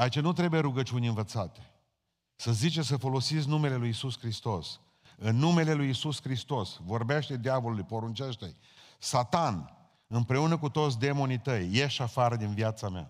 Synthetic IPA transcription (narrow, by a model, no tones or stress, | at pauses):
ait͡ʃenut̪ɾe̞buje̞ɾuɡət͡ʃiunʲɨnvət̪sat̪e̥ | səzit͡ʃe̞səfo̞lo̞sit̪s̬ʲnume̞le̞lujisuskɾist̪o̞s | ɨnːume̞le̞lujisuskɾist̪o̞svo̞rbe̞ʃt̪e̞d̪javolulujpo̞ɾunt͡ʃeʃt̪ḛ | sat̪an | ɨmpɾe̞unəkut̪o̞t̪sʲd̪e̞mo̞nit̪əjːe̞ʃafaɾəd̪inviat̪samea̰